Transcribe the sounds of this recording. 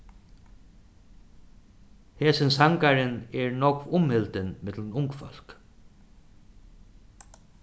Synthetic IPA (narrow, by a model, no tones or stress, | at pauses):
heːsɪnsaŋkaɾɪnɛɹnɔkvʊmhɪlt̪ɪnmɪt̪lnʊŋkfɔl̥k